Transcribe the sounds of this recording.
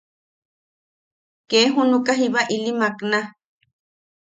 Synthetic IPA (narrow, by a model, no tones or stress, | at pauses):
keɦunukaɦiβaʔilimakna